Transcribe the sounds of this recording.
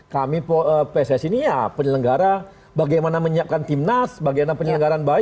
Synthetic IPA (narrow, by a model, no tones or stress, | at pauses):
kamipoəpesɛsinijapənələŋɡaɾa | baɡajmanaməɲiaʔ̚kant̪imnasbaɡajmanapənələŋɡaɾanba